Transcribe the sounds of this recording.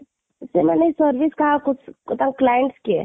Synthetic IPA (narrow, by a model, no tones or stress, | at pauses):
semɛneisəɾʋiskaɦakʊt͡ʃʰkʊt̪ãŋklaːjəɳʈske